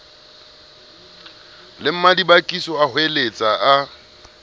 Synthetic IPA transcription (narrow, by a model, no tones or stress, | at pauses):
lɪm̩madibakʼisɔahʊelet͡sʼaa